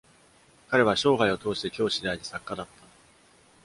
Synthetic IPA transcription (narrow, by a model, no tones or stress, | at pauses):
kaɾe̞β̞aɕo̞ːɡaio̞t̪o̞ːɕi̥t̪e̞kʲo̞ːɕid̪eaiɲʲisakːad̪at̪ːa